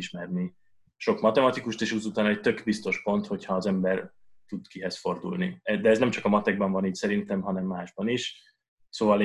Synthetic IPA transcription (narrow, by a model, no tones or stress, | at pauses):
iʃmɛrni | ʃo̞kmɒt̪ɛmɒt̪ikuʃt̪eːʃuzut̪aːnɛc̚t̪ø̞ɡbist̪o̞ʃpo̞nt̪ho̞chɒːzɛmbɛr | t̪ud̪kiɦɛsfo̞rd̪ṵlniɛd̪ɛːznɛmt͡ʃɒkɒmɒt̪ɛɡ̚bɒɱvɒniːcsɛɾint̪ɛmɦɒnɛmːaːʒbɒniʃ | soːvɒl